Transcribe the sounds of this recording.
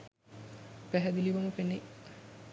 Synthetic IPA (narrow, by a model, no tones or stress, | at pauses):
pæɦæd̪iliʋomupene